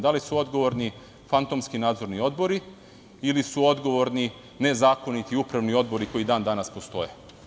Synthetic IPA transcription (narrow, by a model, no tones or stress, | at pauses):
d̪alisuo̞d̪ɡo̞ʋo̞ɾni | fant̪omskinaːd̪zo̞ɾnio̞d̪bo̞ɾi | ilisuo̞d̪ɡo̞ʋo̞ɾni | ne̞zaːko̞nit̪iupɾaʋnio̞d̪̚bo̞ɾiko̞id̪aːnd̪anaspo̞st̪o̞̰je